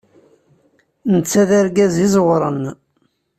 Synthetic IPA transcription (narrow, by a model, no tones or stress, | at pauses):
nət͡sːæðaɾɡæzizˤwɾˤən